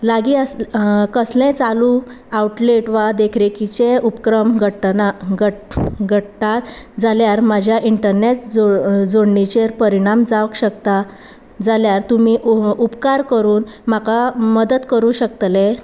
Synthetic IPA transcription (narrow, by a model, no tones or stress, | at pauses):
laɡiəskəslẽt͡salu | awʈleʈʋad̪ekʰɾekit͡ɕeupkɾəmɡʱʈaəɡʱəʈʈat̪d͡zaljaɾmad͡ʑʱjaʔiɳʈəɾnet͡sd͡zod͡zoɳːit͡ɕeɾpəɾiɽ̃amd͡zaʋəkɕəkt̪a | d͡zaljaɾt̪umiupkaɾkəɾuːnm̤akaməd̪əd̪kəɾuɕək̚t̪le